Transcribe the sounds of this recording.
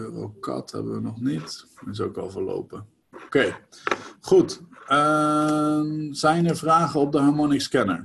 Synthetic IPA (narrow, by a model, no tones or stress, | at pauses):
əʋɛ̰lˠkɑ̰thɛ̰bəʋənɔχnitɪs̬owkɑ̰lˠvəɹlo̰wpə | owkej | χutə | mzɛjnəɹvraːχəɔp̚dəɦɑɹmonɪskɛnə̰ɹ